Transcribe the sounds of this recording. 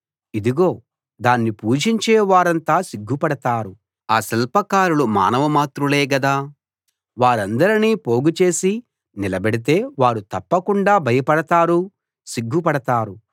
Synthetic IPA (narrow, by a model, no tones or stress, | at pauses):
id̪uɡo̞ː | d̪aːnːipuːd͡ʒiɲt͡ʃɛːʋaːɾɐnt̪aːsiɡʱːupɐɽɐt̪aːɾu | aːsɛlpɐkaːɾuluma̰ːnɐʋɐmaːt̪ɾuleːɡɐd̪aː | ʋaːɾɐnd̪ɐɾiniːpo̞ːɡut͡ʃe̞ːsi | nilɐbeɽit̪̬e̞ːʋaːɾut̪ɐpːɐkuɳɖaːbʱɐjɐpɐɽɐt̪aːɾu | siɡʱːupɐɽɐt̪aːɾu